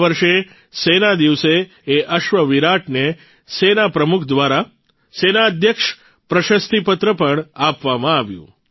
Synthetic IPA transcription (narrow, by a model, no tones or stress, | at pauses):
ʋəɾʃe | senad̪iʋseː | ʔəʃʋəʋiɾaʈne | senapɾəmukʰd̪ʋaɾa | senaəd̪ʱjəkʃ | pɾəʃəst̪ʰipət̪ɾəpəɳapʋamãaːʋjṵ̃